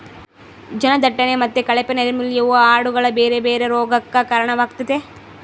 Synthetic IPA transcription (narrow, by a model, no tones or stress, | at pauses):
d͡ʒɐnɐd̪ɐʈːɐnemɐt̪ːekɐɭɐpɐnɐɾimiljɐɐaːɽuɡɐɭɐbeːɾebeːɾeɾoːɡɐkːɐkɐɾɐɳɐʋaːɡ̚t̪ɐt̪e